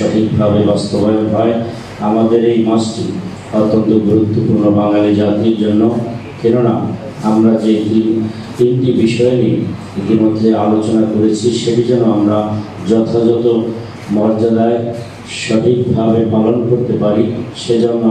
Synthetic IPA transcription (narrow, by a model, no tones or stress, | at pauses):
ɔʈʰik̚bʱabebast̪obajonɦɔe | amad̪eɾejmasʈi | ɔt̪ːont̪oɡuɾut̪ːopuɾnobaŋlalid͡ʑat̪iɾd͡ʑonːokɛnona | amɾad͡ʑei | t̪inʈibiʃɔeni | et̪imod̪ʱːealot͡ɕonakoɾet͡ɕʰiʃeʈid͡ʑɔnːoamɾa | d͡ʑɔt̪ʰad͡ʑɔt̪o | mɔɾd͡ʑad̪ae | ʃɔʈʰik̚bʱabepalonkoɾt̪epaɾiʃed͡ʑɔnː